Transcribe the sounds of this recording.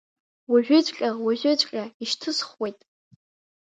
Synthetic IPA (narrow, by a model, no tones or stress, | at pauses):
waʒᶣʷʊt͡ɕʷʼkʲʼawaʒʷʊt͡ɕʷʼkʲʼaiʃtʰɨsχwejtʼ